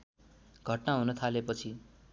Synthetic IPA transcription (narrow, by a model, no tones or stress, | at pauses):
ɡʱʌʈnaɦunʌt̪ʰalepʌt͡sʰi